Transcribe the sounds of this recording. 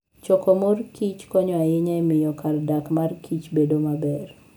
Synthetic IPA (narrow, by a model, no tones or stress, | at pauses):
t͡ʃɔkɔmorkit͡ʃkɔɲɔaɪɲaɛmɪjɔkardakmarkʰit͡ʃbedomabɛr